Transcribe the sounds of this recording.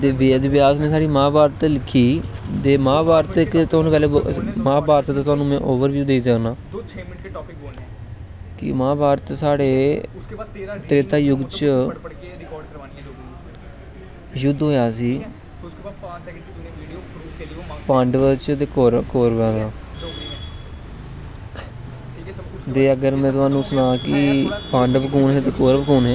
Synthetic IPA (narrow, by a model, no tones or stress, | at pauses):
t̪eːʋeːd̪bɪjaːzneːsaːɽiːmãːbaːɾt̪ːlɪkʰːiːd̪eːmãːbaːɾt̪ɪkt̪ʊaːnũpɛːleːmãːbaːɾt̪ːd̪aːʊɦaːnũːmɛ̰̃ːʔoːʋəɾʋjuːd̪eiːd͡ʒaːnaː | kɪ̰mãːbaːɾt̪ːsaːɽeː | t̪ɾɪt̪aːjʊɡt͡ʃ | jʊd̪ɦoːjaːsiː | pãːɳɖʋət͡ʃd̪ekoːɾkoːɾʋãːd̪aː | t̪eːəɡəɾmɛ̃ːt̪ʊaːnũːsənaːkɪpãːɳɖbkuːnɦɛːt̪eːkoːɾbkuːnɦɛː